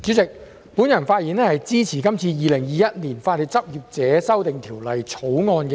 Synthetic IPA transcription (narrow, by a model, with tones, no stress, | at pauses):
t͡syː˨˥t͡sɪ˨k̚ | puː˨˥njɐ˨˩nfaː˧t̚jiː˨˩nɛː˥hɐ˨jt͡siː˥t͡sʰiː˨˩kɐ˥mt͡sʰiː˧jiː˨˧lɪ˨˩ŋjiː˨˧jɐ˥t̚niː˨˩nfaː˧t̚li˨˧t͡sɐ˥p̚jiː˨p̚t͡sɛː˨˥sɐ˥wt̪ɪ˨ŋt̪ʰiː˨˩wlɐ˨jt͡sʰo˨˥wŋɔː˧nkɛ˧